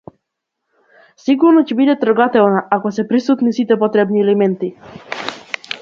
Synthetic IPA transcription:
siɡuɾnɔcɛbid̪ɛt̪r̩ɡat̪ɛlnaʔakɔsɛpɾisut̪nisit̪ɛpɔt̪ɾɛbniɛlɛmɛnt̪i

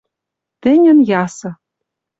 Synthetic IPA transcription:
t̪ɘ̆nʲɘ̆njɑsɤ̆

